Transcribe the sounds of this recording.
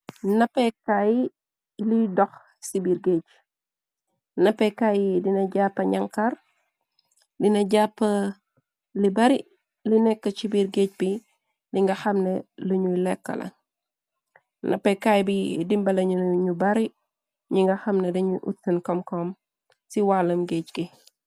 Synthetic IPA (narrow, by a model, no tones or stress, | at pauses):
nɐpːɛkaji | lidɔx | sibiɾɡet͡ʃ | nɐpːɛkajidinɐɟapːɐɲaŋkɐr | dinɐɟapːɐ | libɐɾi | linɛkːɐt͡ʃibiɾɡec̚bi | liŋɡɐxɐmnɛluɲulɛkːɐ̰lɐ̰ | nʔɐ̰pɛkajbidimbɐlɐɲuɲubɐɾi | ɲiŋɡɐxɐmnɛdɐɲuʔṵtːɐnkɔmkɔm | siwalɐmɡet͡ʃki